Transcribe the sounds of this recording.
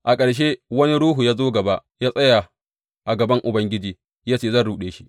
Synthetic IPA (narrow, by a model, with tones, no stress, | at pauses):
ʔa˨kʼɐ˨ɽʃ̬eː˦wɐ˦ni˦ɽuː˦ɦu˨jaː˦zoː˦ɡɐ˨ba˦ʔjaː˦sʼɐ˦ja˨ | ʔa˨ɡɐ˨bɐ˦ŋʔʊ˨bɐ˦ŋɡʲɪ˦d͡ʒiː˨ | jaː˦t͡ʃeː˦˨zɐ˦nɽuː˨ɗeː˦ʃi̥˦ʔ